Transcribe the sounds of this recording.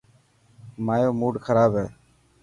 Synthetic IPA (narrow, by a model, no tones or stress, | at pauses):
maːjoːmuːɖxʰəɾaːbɦɛː